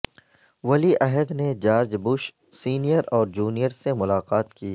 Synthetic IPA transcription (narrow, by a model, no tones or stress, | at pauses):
ʋɐliʔɛɦəd̪ned͡ʒaːɾd͡ʒbʊʃ | siːnijəɾɔːɾd͡ʒuːnijəɾsemʊlaːqaːt̪kiː